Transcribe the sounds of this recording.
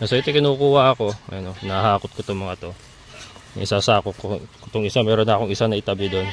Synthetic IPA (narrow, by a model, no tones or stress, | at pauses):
nɐsoʔɛt̪ojkɪnuːkuːhɐʔɐko̞ɐ̰jnonɐhaːkot̪̚kot̪oŋmɐŋɐt̪o̞̰ | ʔɪsasaːkot̪̚kokt̪oŋɪsamɛːɾonːɐɐkoŋɪsanɐʔɪt̪ɐbɪd̪on